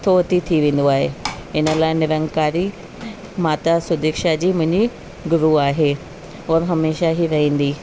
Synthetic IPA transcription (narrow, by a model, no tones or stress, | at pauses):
t̪ʰoɦɐt̪it̪ʰiʋẽːn̆d̪oaːɦḛɪnə̆laːɪnɪɾə̃ŋkaːɾi | maːt̪asʊd̪eːkʃad͡ʑiːmʊ̃ɦɪ̃ɲd͡ʑi | ɡʊɾuaːɦeː | ɔːɾɦɐmeːʃaɦiɾɐĩːn̆d̪iː